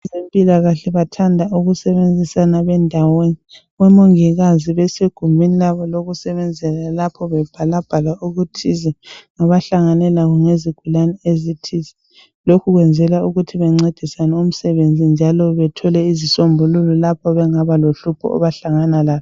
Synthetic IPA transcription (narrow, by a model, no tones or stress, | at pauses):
zempʼilaɣaɬɛβatʰandʱauɣusɛβend͡zʱisanaβɛndʱaweni | ɣwɛmoŋiɣaziβɛseɡ̥ʱumbʱinilaβɔloɣusɛβɛnd͡zʱɛlalapʰɔβɛb̥ʱalab̥ʱalauɣutʰizɛŋaβaɬaŋanɛlaɣuŋeziɡ̥ʱulanɛezitʰizɛ | lokʰuɣwɛnd͡zʱɛlauɣutʰiβɛŋ͡ǀed̥ʱisanɛum̩sɛβend͡zʱind͡ʒʱalɔβɛtʰɔlɛizisombʱulululapʰɔβɛŋaβaloɬupʰɔ̰ʔɔ̰βaɬaŋanalaːβɔ